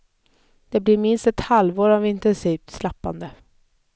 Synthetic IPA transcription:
d̪̥eːbliːɾmɪnst̪ɛt̪halʋoːɾaʋɪnt̪ɛnsiːʋt̪slapːa̰nd̪ə

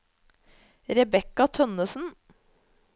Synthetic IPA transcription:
ɾɛbɛkɑt̪ʰœnəsn̩

